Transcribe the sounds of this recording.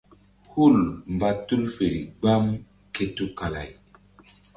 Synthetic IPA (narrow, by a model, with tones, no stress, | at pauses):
hu˦˨lm˨ba˨tu˦lfe˨ɾḭ˨ɡ͡ba˦m | ke˦tu˦ka˨la̰˨j